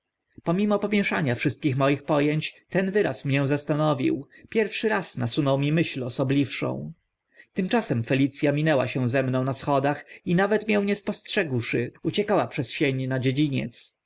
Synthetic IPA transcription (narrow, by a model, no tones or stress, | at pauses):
pɔmʲimɔpɔmʲjɛʂaɲafʂɘst̪kʲixmɔjixpɔjɛɲt͡ɕt̪ɛnvɘɾa̰smɲɛ̃zast̪anɔvʲḭw | pʲjɛɾfʂɘɾasnasunɔwmʲimɘɕlɔsɔblʲifʂɔ̰̃w̃ | t̪ɘmt͡ʂasɛmfɛlʲit̪sʲjamʲinɛwa̰ɕɛw̃zɛmnɔ̃w̃nasxɔd̪axinavɛt̪mʲjɛw̃ɲɛspɔstʂɛɡwʂɘut͡ɕɛkawapʂɛsɕeɲnad͡ʑed͡ʑiɲɛ̰t̪s